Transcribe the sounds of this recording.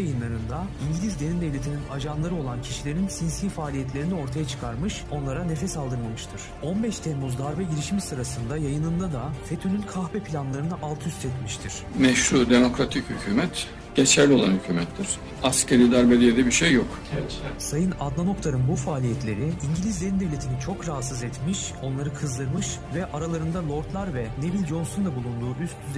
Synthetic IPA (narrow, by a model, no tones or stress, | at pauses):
ajɯnlˠaɾɯnd̪aiɲɟilʲizd̪enimd̪ɛvlʲet̪ʰininad͡ʒanlˠaɾɯo̞lˠancʰiʃilʲe̞ɾinsinsiːfaːlʲijɛt̪lʲe̞ɾinio̞ɾt̪ʰajat͡ʃʰɯ̥kʰaɾmɯʃo̞nlˠaɾane̞fɛsalˠd̪ɯɾmamɯʃt̪ʰɯɾ̥o̞nbɛʃt̪ʰɛnmuzd̪aɾbɛɟiɾiʃimisɯɾasɯnd̪ajajɯnɯnd̪ad̪afet̪ʰynynkʰaxbɛpʰilʲanlˠaɾɯnɯʔalˠt̪ʰɯyst̪ʰɛt̪miʃt̪ʰiɾ̥mɛʃhuɾd̪emo̞kɾat̪ʰichycʰyːmɛt̪ | ɟ̥et͡ʃʰæɾlʲio̞lˠa̰nhycʰyːmɛt̪ːiɾ̥ | ascʰeɾiːd̪aɾbed̪ijed̪ɛbiɾʃejːok | sajɯnad̪nano̞k̚t̪ʰaɾɯnbufaːlʲijɛt̪lʲe̞ɾiiɲɟilʲizd̪ʲenind̪evlʲet̪ʰinit͡ʃʰo̞kɾaɦat̪sɯzɛt̪miʃo̞nlˠaɾɯkʰɯzd̪ɯɾmɯʃvɛʔaɾalˠaɾɯnd̪alˠo̞ɾt̪lˠaɾvɛne̞bilʲd͡ʒo̞nsond̪abulˠund̪uːʔyst̪ʰyz